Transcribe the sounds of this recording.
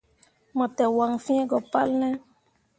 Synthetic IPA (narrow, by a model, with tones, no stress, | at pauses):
mɔ̃˨tɛ˨wa˨ŋfi˦ɛ̃˦ɡɔ˨pa˦lnɛ̃˦